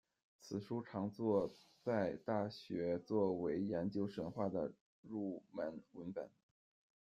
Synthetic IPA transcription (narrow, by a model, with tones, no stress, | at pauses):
t͡sʰɹ̩˨˩ʂu˥ʈ͡ʂʰɑ˧˥ŋt͡swɔ˥˧t͡sa˥˧ɪt̪a˥˩ɕɥɛ˧˥t͡swɔ˥˩we˧˥ɪjɛ˧˥nt͡ɕjo˥ʊʂə˧˥nxwa˥˩d̪ə̰˩ | ɻu˥˩mə˧˥nə˧˥npə̰˨˩˦n